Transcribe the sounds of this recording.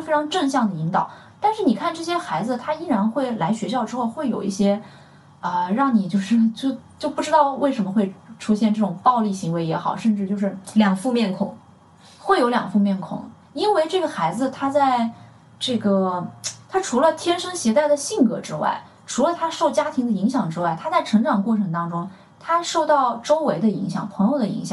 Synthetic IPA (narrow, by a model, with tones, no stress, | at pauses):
fe˥ɪʈ͡ʂʰɑ˧˥ŋʈ͡ʂɤ˥˧ŋɕ̬jɑ˥˩ŋd̪ə˩i˧˥ŋt̪ɑ̰˨˩˦ʊ | t̪a˥˧nʂɻ̩˥˩ni˨˩kʰa˥˧nʈ͡ʂɤ˥˩ɕ̬jɛ˥xa˧˥ɪd͡zɹ̩˧t̪ʰa˥i˥ɻa˧˥nxwe˥˩ɪla˧˥ɪɕɥɛ˧˥ɕjɑ˥˩ʊʈ͡ʂɻ̩˥xo˥˧ʊxwe˥˩ɪjo˨˩ʊḭ˥˩ɕjɛ˥ | ə˧ɻɑ˥˩ŋni˨˩t͡ɕjo˥˧ʊʂɻ̩˥˧t͡ɕjo˥˧ʊt͡ɕjo˥˧ʊpu˥˩ʈ͡ʂɻ̩˥t̪ɑ˥˧ʊwe˥˩ɪʂə˧˥mə˧xwe˥˧ɪʈ͡ʂʰu˥ɕjɛ˥˧nʈ͡ʂɤ˥˩ʈ͡ʂʊ˨˩ŋpɑ˥˧ʊli˥˩ɕi˧˥ŋwe˧˥ɪjɛ˧˥xɑ˨˩ʊʂə˥˧nʈ͡ʂɻ̩˥˧jo˥˧ʊʂ̬ɻ̩˥˩ljɑ˨˩ŋfu˥˧mjɛ˥˩nkʰʊ̰˨˩˦ŋ | xwe˥˩ɪjo˧˥ʊljɑ̰˨˩ŋfu˥˧mjɛ˥˩nkʰʊ̰˨˩˦ŋ | i˥nwe˥˧ɪʈ͡ʂɤ˥˩ɡə˩xa˧˥ɪd͡zɹ̩˧t̪ʰa˥t͡sa˥˧ɪ | ʈ͡ʂɤ˥˩ɡə˩t̪ʰa˥ʈ͡ʂʰu˧˥lə˧t̪ʰjɛ˥nʂɤ˥ŋɕjɛ˧˥t̪a˥˩ɪd̪ə˩ɕi˥˩ŋkɤ̰˧˥ʈ͡ʂɻ̩˥wa̰˥˩ɪ | ʈ͡ʂʰu˧˥lə˧t̪ʰa˥ʂo˥˩ʊt͡ɕja˥t̪ʰi˧˥ŋd̪ə˧i˧˥ŋɕjɑ˨˩ŋʈ͡ʂɻ̩˥wa˥˩ɪt̪ʰa˥t͡sa˥˩ɪʈ͡ʂʰɤ˧˥ŋʈ͡ʂɑ˨˩ŋkwɔ˥˩ʈ͡ʂʰɤ˧˥ŋt̪ɑ˥ŋʈ͡ʂʊ˥ŋ | t̪ʰa˥ʂo˥˧ʊt̪ɑ˥˩ʊʈ͡ʂo˥ʊwe˧˥ɪd̪ə˧i˧˥ŋɕjɑ̰˨˩ŋpʰɤ˧˥ŋjo˧˩ʊd̪ə˩ḭ˧˥ŋɕjɑ̰˨˩ŋ